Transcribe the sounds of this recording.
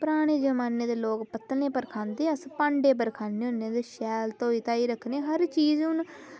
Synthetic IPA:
pəɾaːɽ̃eːd͡ʒəmaːneːd̪eːloːkpət̪nẽːpəɾkʰãːnd̪eːəspãːɳɖeːp̬əɾkʰãːneːʊnːeːd̪eːʃɛːlt̪oːiːt̪ãːiːɾəkʰneːɦəɾt͡ʃiːzʊn

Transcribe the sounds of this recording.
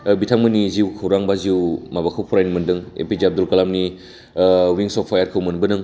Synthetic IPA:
bitʰaŋmɯniziwkʰɐwɾaŋbaziwmabakʰawpʰuɾajnmɯndɯŋḛpizab̚d̪ulkalamni | wiŋsɔpʰːajaɾkʰɯwmɯnbɯnɯŋ

